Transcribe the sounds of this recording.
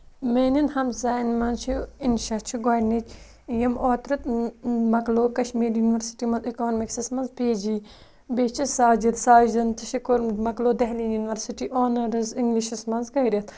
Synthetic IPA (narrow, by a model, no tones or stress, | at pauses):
meːninhɐmzaːnmɐnt͡ʃʰiinʃɐt͡ʃʰiɡaːnit͡ʃ | jɐmoːt̪ɾɨt̪̚mɐkloːkɐʃmiːɾjunʋɐɾsi̥ʈimɐnzikoːnmiksismɐnzpeːd͡ʒi | beːt͡ʃʰisaːd͡ʒit̪saːd͡ʒɐnt̪ʰɐʃikoɾmɐkloːd̪ɐɦlinjuniʋɐɾsiʈiʔoːnɐɾɐziŋɡliʃismɐnzkɐjɾʲɐt̪ʰ